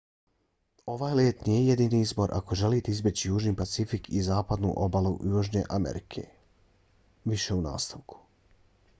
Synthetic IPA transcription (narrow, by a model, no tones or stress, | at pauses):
o̞ʋaːjleːt̪nijeje̞d̪iːniizbo̞ɾʔa̰ko̞ʒe̞lit̪eizbe̞t͡ɕijuːʒnipat̪sifikʰizaːpad̪nṵʔo̞balˠṵʔjuːʒɲe̞̰ʔamḛɾikʰe̞̰ | ʋiʃe̞una̰ːst̪aʋkʰu̥